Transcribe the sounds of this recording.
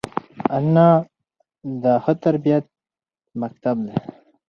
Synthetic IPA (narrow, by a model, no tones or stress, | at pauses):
anːa | d̪ahət̪aɾbijat̪̚ | mɐk̚t̪abd̪e